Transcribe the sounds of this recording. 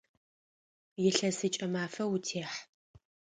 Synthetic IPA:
jɪɬɐsɨt͡ʃʼɐmaːfɐwʊtʰeːħ

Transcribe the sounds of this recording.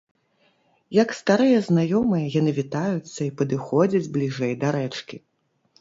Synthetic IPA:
jɐkst̪aɾɨjɐznajɔmɨjɐjanɨvʲit̪ajut̪sːɐipɐd̪ɨxɔd͡zʲɐd͡zʲblʲiʐɛjd̪aɾɛt͡ʂkʲi

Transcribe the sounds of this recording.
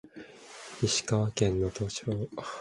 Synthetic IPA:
iɕi̥kaβakẽ̞nːot̪ot͡ɕoː

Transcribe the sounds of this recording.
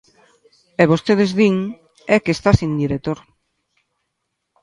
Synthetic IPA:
eβost̪eðezðiŋ | ɛkest̪asĩnd̪iɾet̪oɾ

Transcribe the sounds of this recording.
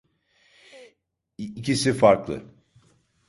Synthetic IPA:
cisifaɾklˠɯ̰

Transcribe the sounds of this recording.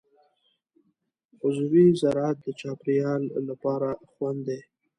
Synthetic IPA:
ʊzuwizaɾat̪̚d̪ət͡ʃɑpɾijɑlːapɑɾaxwand̪d̪e

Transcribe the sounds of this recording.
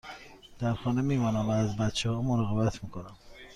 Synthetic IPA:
d̪̥æɾxɒːnemiːmɒːnæmvæːzbæt̪t͡ʃʰehɒːmoɾɑɣɑbæt̪ʰmiːkʰonæm

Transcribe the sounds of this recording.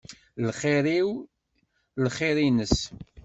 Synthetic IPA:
lχeɾiw | lχeɾinəs

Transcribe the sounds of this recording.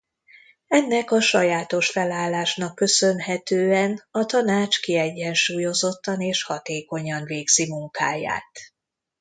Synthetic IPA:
ɛnːɛkɒʃɒjaːt̪o̞ʃfɛlaːlːaːʃnɒkːø̞sø̞nɦɛt̪øːɛnɒt̪ɒnaːt͡ʃkiɛɟːɛnʃuːjo̞zo̞t̪ːɒneːʃhɒt̪eːko̞ɲɒnveːɡz̥imuŋkaːja̰ːt̪

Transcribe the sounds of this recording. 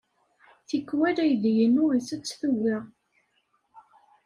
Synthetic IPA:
θikːwælæjðjənʊʁisət͡sːθuwɪʁ

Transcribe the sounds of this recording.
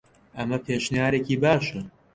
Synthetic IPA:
ʔɐmɐpʰeːʃnjaːɾekiːbaːʃɐ

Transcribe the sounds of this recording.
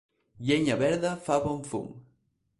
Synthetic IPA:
ʎeɲaβɛɾðafaβoɱfṵŋ

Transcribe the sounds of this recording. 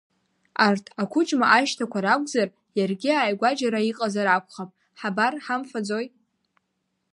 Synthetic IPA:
artʰakʷʰʊt͡ʃʼmaʔaʃtʰakʷaɾakʷʼzar | jarɡʲiaːjɡʷad͡ʒaɾaiqʼazaɾakʷʰʼχapʼ | ħabarħamfad͡zo̞j

